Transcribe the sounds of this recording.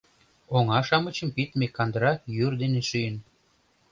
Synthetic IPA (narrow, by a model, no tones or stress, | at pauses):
oŋɑʃɑmət͡ɕə̆mpit̪mekːɑnd̪əɾɑkjyrd̪eneʃyjən